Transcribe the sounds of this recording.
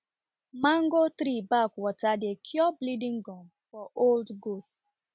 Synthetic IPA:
mãŋ̩ɡotɾibakwɔtadekʰjɔblidĩŋɡɔm | fɔʔoldɡot

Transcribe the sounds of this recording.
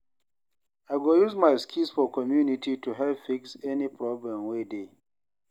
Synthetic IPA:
aɪɡojuzmaɪskʰilsfɔkʰɔmjunitituɦɛlpfiksɛnipʰɹɔblɛ̃mwede

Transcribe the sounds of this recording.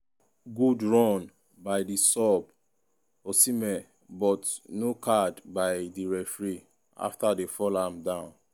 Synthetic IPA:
ɡudɹɔ̃n | baɪdisɔb | osimɛ | bɔtnokʰadbaɪjdiɹɛfɹi | a̰ftadefɔlãmdãʊ̃n

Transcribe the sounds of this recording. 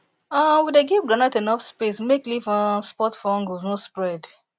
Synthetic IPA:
awideɡivɡɹanatenɔfspesmeklivɔnspɔtfɔ̃ŋɡoznospɹɛd

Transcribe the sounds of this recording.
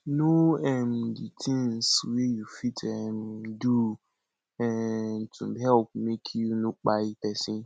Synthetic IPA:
noɛmditʰĩŋnswejufitʰɛmdu | ɛntʰṵ̃ɦɛlp̚mekʰjunuk͡paitɛsĩ

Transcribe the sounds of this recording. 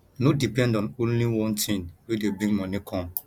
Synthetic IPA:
nodipɛ̃ndɔ̃nõnliwɔ̃ntʰĩnwedebĩŋmɔ̃nikʰɔ̃m

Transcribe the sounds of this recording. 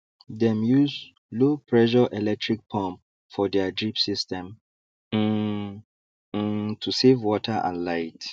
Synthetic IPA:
dɛ̃mjuz | lopʰɹɛʃɔʔɛlɛk̚tʰɹik̚pʰɔ̃mp | fɔdɛad͡ʒipsistɛ̃m | tʰusevwɔtʰəʔã̰nlaɪt

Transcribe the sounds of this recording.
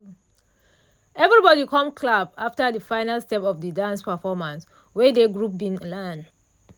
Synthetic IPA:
ɛvɹibɔdikʰɔ̃mkʰlabaftədəfãɪnalstɛpɔfdədãnspəfɔmãns | wɛdeɡɹup̚bĩnlan

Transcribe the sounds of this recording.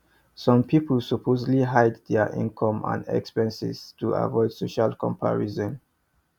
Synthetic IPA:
sɔ̃mpʰiplsupʰozliɦajddɛʔḭ̃nkʰɔ̃mã̰nɛ̰kspɛ̃nsḭstua̰vɔɪd̥soʃalkʰɔ̰̃mpʰa̰ɹizɔ̃n

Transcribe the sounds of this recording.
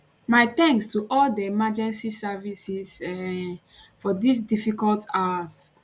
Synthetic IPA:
maɪt̪ɛ̃ŋkstuʔɔldəemad͡ʒɛ̃nsisavisis | fɔdis̬difikɔltas

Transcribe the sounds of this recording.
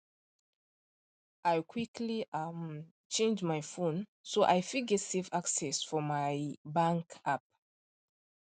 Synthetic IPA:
ʔajkʰwikliam | t͡ʃẽnd͡ʒmajfũnsoʔajfiɡɛtsefaksɛsfɔmajbãŋkap̚

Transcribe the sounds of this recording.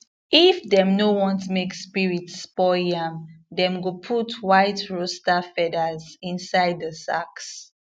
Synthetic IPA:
ifdɛ̃mnowɔ̃ntumekspiɹitspɔjãmdɛ̃mɡopʰutʰwaɪtɹostafɛdazĩnsaɪd̚ðəsa̰ks

